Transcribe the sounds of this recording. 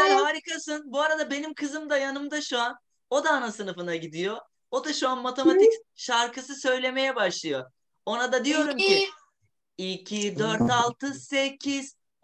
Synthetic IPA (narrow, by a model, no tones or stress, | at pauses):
aɦaɾikasɯnbuaɾad̪abe̞nimkʰɯzɯmd̪ajanɯmd̪aʃuan | o̞d̪aːnasɯnɯfɯnaɟid̪ijo̞ | od̪aʃuanmat̪ʰe̞mat̪icʃaɾkʰɯsɯsø̞jlʲe̞me̞jɛbaʃlˠɯjo̞ | onad̪ad̪ijo̞ɾumci | icʰid̪øɾt̪alˠt̪ʰɯsecʰiz̥